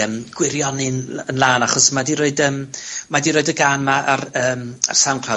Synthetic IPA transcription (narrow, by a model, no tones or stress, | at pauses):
əmɡ̥wɪɾjɔnɪnənlˠaːnaχɔsmadiɾoːɨdəːmmadiɾoːɨdəɡaːnmaʔarəːma̰rsawnkʰr̥a